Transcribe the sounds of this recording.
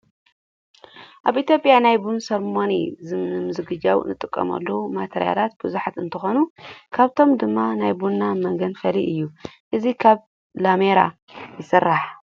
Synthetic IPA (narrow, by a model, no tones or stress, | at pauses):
ʔaβʔit̪ʰjo̞pʼjanajbunsɐɾmonḭzɨɨmɨzɨɡɨd͡ʒawɨ̰nɨt̪ʼɨkʼːɐ̰mɐ̰lːɐwumat̪ʰeɾija̰lat̪̚bɨzuħat̪ɨnt̪ʰɨxo̞nukʰaβt̪ʰo̞md̪ɨmːanajbunːamɐŋɡɐnfɐliʔɨjːuʔɨzikʰaβ | lameɾa̰ | jɪsɨrːaħ